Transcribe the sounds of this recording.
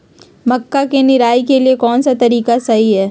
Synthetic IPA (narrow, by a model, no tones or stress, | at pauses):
mɐkːakenɪɾaːikeliekɔːnsat̪ɐɾiːkasɐɦiɦɛː